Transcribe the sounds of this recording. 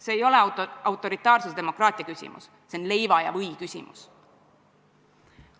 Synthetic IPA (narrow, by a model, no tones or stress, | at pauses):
se̞ːjo̞leɑwt̪ːˑo̞ɾit̪ːˑɑːrsused̪emo̞krɑːt̪ˑiɑkysʲḭmṵs | seonle̞jvɑjɑ̰vɤjkysʲḭmṵs